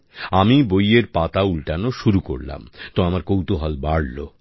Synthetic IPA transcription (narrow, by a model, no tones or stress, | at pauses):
amibojeɾpat̪aulʈanoʃuɾuko̰ɾla̰mt̪oamaɾkowt̪oɦɔlbaɽlo̰